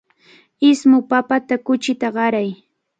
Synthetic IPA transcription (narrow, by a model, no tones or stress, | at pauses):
ɪsmʊpapat̪akʊt͡ʃɪt̪aɢɑɾaj